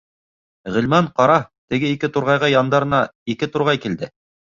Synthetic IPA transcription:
ʁɘ̆lmæɴqɑɾɑt̪ɘ̆ɡɘikɘt̪uɾʁɑjʁɑjɑnd̪ɑɾɤ̆nɑikɘt̪uɾʁɑjkild̪ɘ

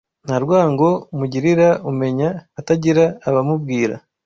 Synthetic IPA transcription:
n̥haɾɡwaːŋɡo̞muɟiɾiɾaume̞ɲaːtaɟiɾaːβamubɡiːɾa̰

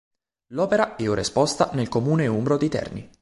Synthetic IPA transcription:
lɔːpeɾaɛuɾḛspɔst̪anelkomuːneumbɾod̪it̪ɛ̰rnḭ

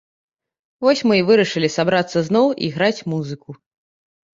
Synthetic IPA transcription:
vɔsʲmɨvɨɾɐʂɨlʲisabɾat̪sːɐznɔwʔḭɣɾat͡sʲmuzɨku

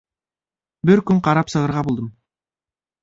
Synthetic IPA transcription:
bɪɾkʲʏŋqʰɑɾɑpsɤ̆ʁə̆ɾʁɑbulˠd̪əm

